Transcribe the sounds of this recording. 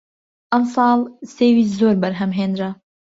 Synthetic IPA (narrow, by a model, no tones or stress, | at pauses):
ʔɐmsɑːlˠseːwiːzoːɾbɐɾɦɐmɦeːnd̪ɾɐ